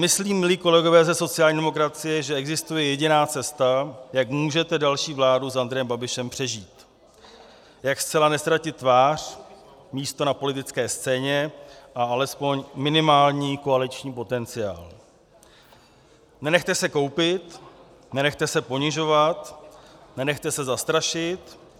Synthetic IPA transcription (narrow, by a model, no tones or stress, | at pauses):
mɪsliːmːɪliːko̞lɛɡo̞vɛːzɛso̞t͡sɪjaːlɲiːdɛmo̞kɾat͡sɪjɛʒɛʔɛɡzɪst̪ujɛjɛɟɪnaːt͡sɛst̪ajakmuːʒɛt̪ɛdalʃiːvlaːdusʔand̪ɾɛjɛmbabɪʃɛmpr̥ɛʒiːt̪ | jakst͡sɛlanɛst̪ɾacɪt̪ːvaːr̝̥ | miːst̪o̞napo̞lɪt̪ɪt͡skɛːst͡sɛːɲɛʔaalɛspo̞ɲmɪnɪmaːlɲiːko̞alɪt͡ʃɲiːpo̞t̪ɛnt͡sɪja̰ːl | nɛnɛxt̪ɛsɛko̞wpɪt̪ | nɛnɛxt̪ɛsɛpo̞ɲɪʒo̞vat̪nɛnɛxt̪ɛsɛzast̪ɾaʃɪt̪